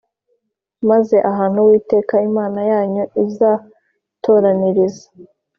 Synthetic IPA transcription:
maze̞ʔaɦaːn̥huwiːte̞ːkaimaːnajaːɲoizaː | tʰo̞ːɾaniɾizḁ

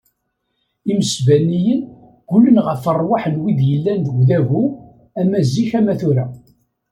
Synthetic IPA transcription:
iməsvænːijən | ɡ̥ʊlːənʁəfərˤwaħənwiðjəlːænðəɡðævu | æmæzːiçæmæθuɾæ

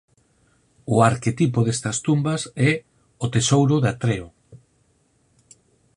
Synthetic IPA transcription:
ʊaɾket̪ipoðest̪ɐst̪umbɐsɛ | ot̪esowɾʊðat̪ɾeo

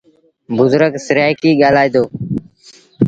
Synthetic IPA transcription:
bʊzɾəksɪɾjaːikiːɠaːlaːiːd̪oː

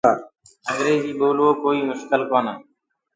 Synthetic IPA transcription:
əŋɡɾeːziːɓoːlʋoːkoːiːmʊʃkəlkoːnəː

